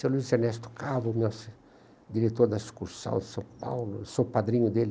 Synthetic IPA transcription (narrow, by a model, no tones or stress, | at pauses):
seluizeɾnɛst̪ʊ̥kavʊmɔs | d̪iɾet̪oɾd̪ɐiskuɾsɐ̰̃w̃d̪ɪsɐ̃w̃pa̰wlʊesopad̪ɾĩɲʊd̪el